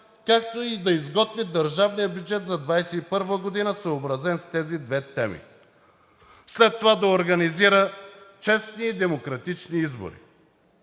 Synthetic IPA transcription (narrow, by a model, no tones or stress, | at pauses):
kak̚t̪oid̪ɐizɡɔt̪vid̪ɐɾʒavnijəbʲjud͡ʒɛt̪zɐd̪vajsɛipɤɾvəɡod̪inəsəobɾɐzɛnst̪ɛzid̪vɛt̪ɛmḭ | slɛt̪ːovad̪ɐoɾɡɐniziɾət͡ʃɛst̪niːd̪ɛmokɾɐt̪it͡ʃniizbo̰ɾḭ